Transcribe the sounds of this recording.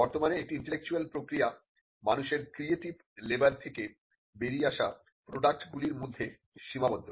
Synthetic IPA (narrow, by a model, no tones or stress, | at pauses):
bɔɾt̪omaneek̚ʈiinʈelek̚t͡ɕualpɾokɾija | manuʃeɾkɾieʈib | lebalt̪ʰeke | beɾiaʃa | pɾoɖak̚ʈɡuliɾmod̪ʱːe | ʃimabod̪ʱːo